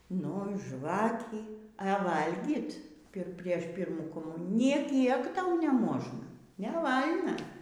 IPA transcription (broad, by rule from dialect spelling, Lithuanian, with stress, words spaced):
ˈnʊ ˈʒʋɑːkʲiː ɘ ˈʋɐlʲɡʲiːt ˈpʲɪr ˈpʲrʲiɛʃ ˈpʲiːrmuː koːˈmʊnʲɪjuː nʲeː ˈkʲiɛk ˈtɐʊ nʲɛˈmoːʒnɐ nʲɛˈʋɐlʲnɐ